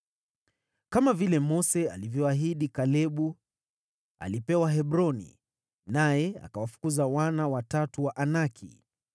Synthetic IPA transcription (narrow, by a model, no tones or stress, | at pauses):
kamavilɛmɔsɛa̰livjɔaɦiɗikalɛɓu | a̰lipɛwaɦɛɓɾɔnḭ | najɛa̰kawafu̥kuzawanawatatuwaʔanakʰḭ